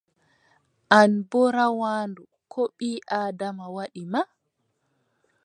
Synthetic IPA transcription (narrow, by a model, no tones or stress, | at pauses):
ʔanbɔɾawaːndu | kʰɔɓiːʔaːdamawaɗima